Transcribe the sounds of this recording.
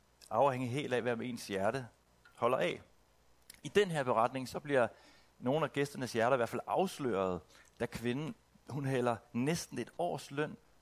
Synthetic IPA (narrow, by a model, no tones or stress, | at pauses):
ɑ̈ʊheŋ̰əɦe̝̰ːld̥ɛ̰ʋæɐ̰me̝̰ːnsjæɐɾə | hɒ̽l̰ɐʔɛ̰ | id̥enɦeɐb̥e̝ʁɑ̈d̥ne̝ŋsɒ̽b̥liɐ | no̝ːn̩æɡ̥esd̥ɐnəsjæɐɾ̥ɐiʋæɐ̰fælʔɑ̈ʊslø̰ːɐð̞̩ˠd̥ækʰʋe̝nn̩ | hunɦel̰ɐnesd̥n̩e̝d̥ɒ̰ːslœn̰